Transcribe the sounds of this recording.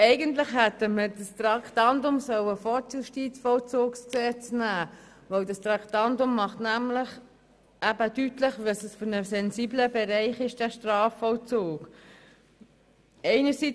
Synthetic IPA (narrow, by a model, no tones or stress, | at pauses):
ɛɪɡəntlɪχhɛtəmədəst̪ɾɑktɑntʊmsœwəfɔtjuʃtiːt͡sfɔlt͡soːkst͡sɛt͡snæː | vœwdɑst̪ɾɑktɑntʊmːɑχtnæmlɪχ | ʔæbədytləχvɑsəsfʏɾnəsɛnsiːbləbɛɾɛɪχɪʃd̥æʃtɾɑːfɔlt͡soːk | ɛɪnəɾsi